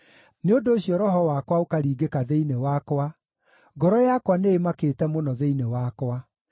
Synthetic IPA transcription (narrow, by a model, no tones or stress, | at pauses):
neondoːɕjɔɾɔɦɔwakwaokaɾiːɡekaðeinewakwa | ɡɔɾɔjakwaneemakeːtɛmonɔðeinewakwa